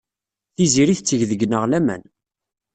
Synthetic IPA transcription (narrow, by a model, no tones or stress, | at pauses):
θiziɾiθət͡sːəʝðəɡnəʁlæmæ̰n